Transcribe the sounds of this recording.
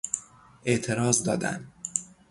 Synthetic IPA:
ʔe̞ʔt̪ʰe̞ɾɒːzd̪ɒ̰ːd̪æ̰n

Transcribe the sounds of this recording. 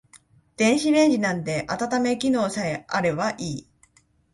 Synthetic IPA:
d̪̥ẽ̞ɰ̃ɕiɾẽ̞ɲʑinãnt̪e̞ʔat̪at̪ame̞kʲino̞ːsae̞aɾe̞βaʔiː

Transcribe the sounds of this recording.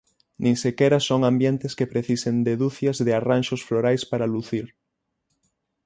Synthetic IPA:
nʔĩŋsekɛɾɐsoŋambjɛnt̪ɪskepɾeθisend̪eðuθjɐzðearanʃosfloɾajspaɾaluθiɾ

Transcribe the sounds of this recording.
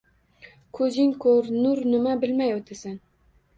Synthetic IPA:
kʰɵzɪŋkʰɵɾnʊɾnɪmabɪlmajot̪ʰasan

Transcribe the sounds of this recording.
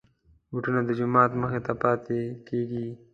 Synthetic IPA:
wʊʈunad̪əd͡ʒʊmɑːt̪məxet̪apɑt̪ekeɡi

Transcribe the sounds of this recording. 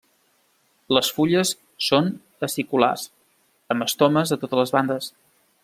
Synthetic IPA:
ləsfuʎəsː | on | əsikula̰s | əmbəst̪oməzðət̪ot̪ələzβand̪əs

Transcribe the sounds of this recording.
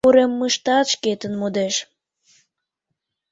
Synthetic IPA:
uɾemːəʃt̪ɑt̪ʃket̪ənmud̪eʃ

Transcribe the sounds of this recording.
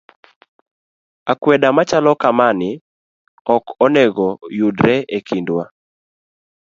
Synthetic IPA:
akwɛdamat͡ʃalɔkamanɪ | ɔkɔnɛɡɔjudɾɛekʰindwa

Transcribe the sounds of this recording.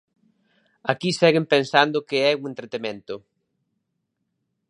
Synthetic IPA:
akisɛɣɪmpensand̪ʊkɪɛuŋẽnt̪ɾet̪emẽnt̪ʊ

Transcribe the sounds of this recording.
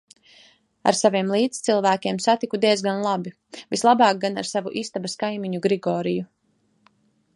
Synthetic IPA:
a̰ɾsaviɛmlˠiːt̪st̪silˠvæːkʲeɛmsat̪ikud̪iɛzɡanlˠabi | vislˠabɑːk̚ɡanaɾsavuʔiːst̪abaskajmiɲuɡɾiɡɔːɾiju

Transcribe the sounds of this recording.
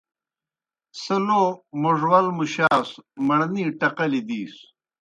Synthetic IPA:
sɐlomuʐwɐlmuɕaːsmɐɽniːʈɐqɐlid̪iːs

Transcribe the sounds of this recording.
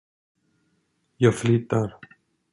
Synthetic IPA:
jɑːɡflyːt̪ːaɾ

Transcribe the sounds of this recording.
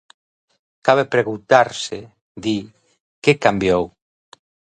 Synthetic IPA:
kaβepɾeɣunt̪aɾse | d̪i | kekambjow

